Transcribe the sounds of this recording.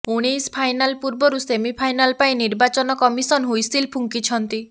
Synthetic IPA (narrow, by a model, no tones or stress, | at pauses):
uɽ̃ejspʰajnalpuɾbɔɾusemipʰajnalpaĩniɾbat͡ʃɔnɔkɔmisɔnɦojsilpʰuŋkit͡ʃʰɔnt̪i